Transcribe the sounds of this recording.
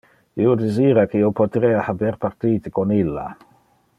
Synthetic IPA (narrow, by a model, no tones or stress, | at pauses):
iod̪eziːɾakeiopʰot̪ɾeːahabeɾpart̪iːt̪ikonilːa̰